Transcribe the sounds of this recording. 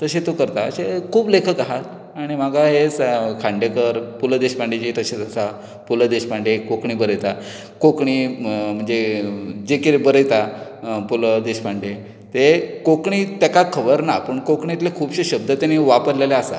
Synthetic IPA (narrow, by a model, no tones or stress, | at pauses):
t̪əɕet̪okəɾt̪aəsekʰuːblekʰəkaɦat̪ | aɽ̃imaɡʱaɦed͡zkʰãɳɖjekəɾpuləd̪eɕpaɳɖet͡ɕit̪əɕet͡səsa | puləd̪eɕpaɳɖekokɳibəɾəjt̪a | kokɳim̤əɳd͡zed͡ʑekiɾebəɾəjt̪apuləd̪eɕpaɳɖe | t̪ekokɳit̪jakakʰəbəɾnapəɳkokɳit̪lekʰuːbɕeɕəb̚d̪ʱət̪janiʋapəɾleleasa̰